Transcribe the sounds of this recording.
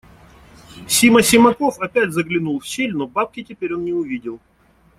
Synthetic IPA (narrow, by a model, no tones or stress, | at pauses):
sʲiməsʲɪmɐko̞fɐpʲætʲzəɡlʲɪnulˠfɕʲelʲnobap̚kʲɪtʲɪpʲeɾʲo̞nnʲɪʊvʲidʲɪlˠ